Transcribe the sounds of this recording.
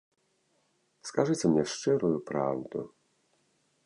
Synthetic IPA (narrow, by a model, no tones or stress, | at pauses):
skaʐɨsɛmɲɛʂt͡ʂɛɾɔjpɾa̰wd̪ɔ̰